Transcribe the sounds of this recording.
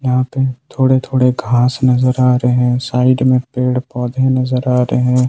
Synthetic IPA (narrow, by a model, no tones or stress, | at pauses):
jəɦãpet̪ʰoːɽet̪ʰoːɽeɡʱaːsnɐzəɾaːɾeɦɛ̃saːɪɖmẽpeːɽpɔːd̪ʱẽnɐzəɾaːɾeɦɛ̃ː